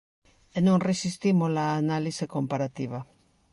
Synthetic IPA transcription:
enõŋresist̪imolaːnalisekompaɾat̪iβa

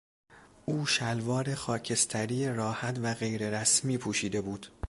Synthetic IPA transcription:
ʔuːʃælvɒːɾexɒːcʰe̞st̪ʰæɾiːjeɾɒːhæt̪ʰvæɣe̞jɾe̞ɾæsmiːpʰuːʃiːd̪e̞buːd̪̥

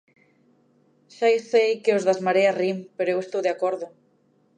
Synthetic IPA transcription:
ʃajsejkeozðazmaɾearimpeɾoewest̪owðeakoɾðʊ

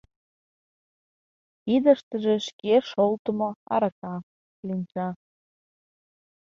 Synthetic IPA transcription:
id̪ə̆ʃt̪əʒeʃkeʃolt̪ə̆moɑ̰ɾɑkɑ | linʲt͡ɕɑ

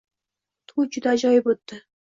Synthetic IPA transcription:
t̪ʰud͡ʒʊd̪ad͡ʒɒjbot̪ːɪ

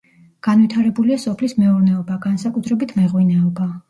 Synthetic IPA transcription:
ɡ̥anvit̪ʰaɾɛbuliasɔpʰlismɛuɾnɛɔbaɡansakʼut̪ʰɾɛbit̪ʰmɛʁwinɛɔba

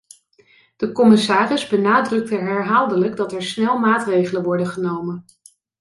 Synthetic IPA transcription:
d̥əkɔmɪsaːrɪzbənaːdrɵk̚təɦɛɹɦaːlˠdələɡdɑtɛɹsnɛlˠmaːtrejχələnʋɔɹdəχənowmən

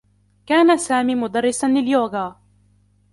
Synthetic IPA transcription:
kaːnasaːmiːmʊd̪ɑrˤːɪsanlɪljoːɡaː

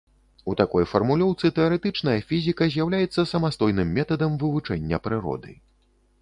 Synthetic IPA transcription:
ut̪akɔjfɐrmulʲɔwt̪sɨt̪ɛɐɾɛt̪ɨt͡ʂnɐjɐfʲizʲikɐzʲjawlʲajɛt̪sːɐsɐmast̪ɔjnɨmːʲɛt̪ɐd̪ɐmvɨvut͡ʂɛnʲːɐpɾɨɾɔ̰d̪ɨ̰

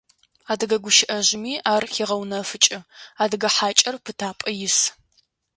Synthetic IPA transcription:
aːdɨɡɐɡʷʊʃɪʔɐʑɪmiːaːrxiːʁɐwnɐfɨt͡ʃʼɪaːdɨɡɐħaːt͡ʃʼɐrpʰɨtʰaːpʼɐjɪs

